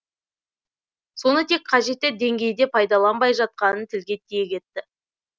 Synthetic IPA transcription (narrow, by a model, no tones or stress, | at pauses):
so̞nət̪ʰe̞kqʰɑʒe̞t̪ːɪd̪e̞ŋɡʲe̞jd̪e̞pʰɑjd̪ɑlˠɑnbɑjʒɑt̪̚qɑnənt̪ʰɪlɡʲe̞t̪ʰːejekʲʰe̞t̪ːɪ